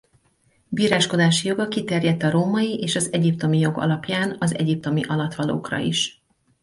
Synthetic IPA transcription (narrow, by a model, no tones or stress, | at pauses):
biːɾaːʃko̞d̪aːʃijo̞ɡɒkit̪ɛrjɛt̪ːɒɾoːmɒjiʔeːʃɒzɛɟipt̪o̞mijo̞ɡɒ̰lɒpjaːnɒzɛ̰ɟip̚t̪o̞miʔɒlɒt̪ʋɒlo̰ːkrɒ̰iʃ